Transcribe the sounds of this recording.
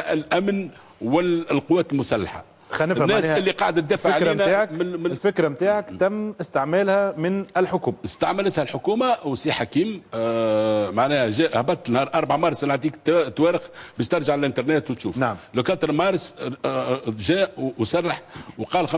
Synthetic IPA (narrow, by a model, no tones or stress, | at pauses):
ɪlʔæmn | wɪlqʊwːæːt̪əlmʊsælːaħa̰ | xænːɪnːæːsɪlːiqɑʕd̪æt̪d̪ːæːfʕlːnæaːʕakmmlfɪkɾamt̪aːʕakt̪æmːɪst̪ɪʕmæːlhæmɪnɪlħʊkuːmaɪst̪aʕmalət̪hælħʊkuːmawəsiħakiːm | maʕnɛːhæʒæːʔhæbɑt̪ːnhɑːɾˤʔɑɾˤbaʕmɑɾˤslʕaʕt̪iːkt̪ːwæːɾɪxbɪːʃt̪ɑɾˤʒaʕaɪlʔənt̪ɑɾˤneːt̪wt̪ʃṵːfnaʕmlokɑːt̪əɾmɑːɾˤs | ʒæːʔwsɑrˤːɑħwqɑːlxa